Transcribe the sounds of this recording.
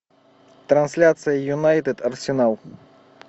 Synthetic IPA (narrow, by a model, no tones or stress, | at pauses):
t̪ɾɐnsʲlʲat̪sɨjɐjunajt̪ɨd̪ɐrsʲɛnalˠ